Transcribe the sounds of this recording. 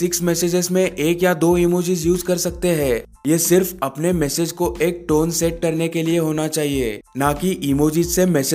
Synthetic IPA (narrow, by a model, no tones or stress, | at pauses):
sɪksmɛːseːd͡ʒɪzmẽʔeːkjad̪oːimoːd͡ʒizjuːzkɐɾsɐk̚t̪eɦɛ̃ː | jeːsɪɾfɐpnemɛːsed͡ʒkoʔeːk̚ʈoːnsɛʈ̚kɐɾnekelieɦoːnat͡ʃaːɦieːnaːkiʔimoːd͡ʒizsemɛːs